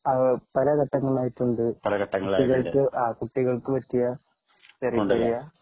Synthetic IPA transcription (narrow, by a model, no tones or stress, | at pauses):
ɐpɐlɐkɐʈːɐŋːɐɭaːjitːuɳɖɨpɐlɐkɐʈːɐŋːɐɭaːiɣɐɭkɨaːkuʈːiɣɐɭkɨʋɐtːijɐ | t͡ɕɐrijɳɖɐɾijɐ